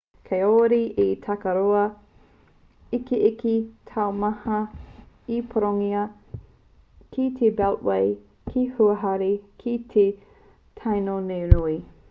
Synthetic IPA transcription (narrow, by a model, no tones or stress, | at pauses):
kʰejoɾiʔitʰɐkɐɾoɐ | ikiʔikitʰawmɐhɐ | ipʰoɾoŋiɐ | kʰitʰebɛlʔwej | kʰihuɐɦɐɾikʰitʰe | tʰajnonewnui